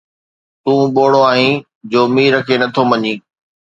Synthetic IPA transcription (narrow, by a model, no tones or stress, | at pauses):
t̪ũːɓoːɽ̤oaːɦĩ | d͡ʑoːmiːɾəkʰenɐt̪ʰomɐɲĩː